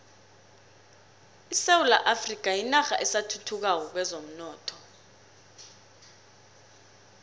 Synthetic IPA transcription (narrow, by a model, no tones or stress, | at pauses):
isewula̰ʔafrik̬ʼajinaxa̰ʔɛsatʰutʰuk̬ak̬ɔk̬wɛzom̩nɔːtʰɔ̥